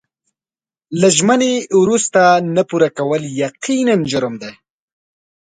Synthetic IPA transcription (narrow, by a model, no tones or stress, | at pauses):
laʒmənewɾust̪anapuɾakawəljaqinand͡ʒʊɾmd̪e